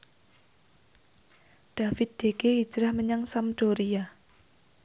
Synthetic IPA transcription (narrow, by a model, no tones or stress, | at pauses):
ɖ̪̥a̤fɪt̪̚d̪̥ekei̥d͡ʒɾahməɲaŋsamd̪̥oɾia